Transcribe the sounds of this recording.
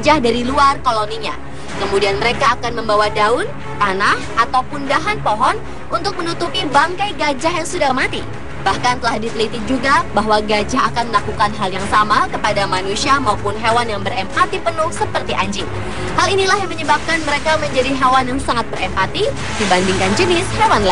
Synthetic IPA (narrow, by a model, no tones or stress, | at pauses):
d͡ʒahdaɾiluarkoloniɲa̰ | kəmudianməɾekaːkanməmbawadaʊn | t̪anahʔat̪awpundaɦanpoɦɔn | ʔunt̪ʊk̚mənut̪upibaŋkajɡad͡ʒaɦjaŋsudahmat̪i | b̥ahkant̪əlahdit̪əlit̪id͡ʒuɡabaɦwaɡad͡ʒaɦakanməlakukanɦaljaŋsamakəpadamanusiamaupʊnɦewanjaŋbərɛmpat̪ipənʊhsəpərt̪iʔa̰ɲd͡ʒɪŋ | halinilahjaŋməɲəbap̚kanməɾekaməɲd͡ʒadiɦewanjaŋsaŋat̪̚bərɛmpat̪i | dibandiŋkand͡ʒənɪshewanla